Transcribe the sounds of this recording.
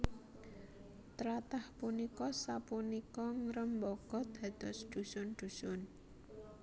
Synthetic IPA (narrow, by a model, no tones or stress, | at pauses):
t̪ɾat̪ahpunikɔsapunikɔŋɾəmbɔkɔd̪̥a̤d̪̥ɔ̤sd̪̥ṳsʊnd̪̥ṳsʊn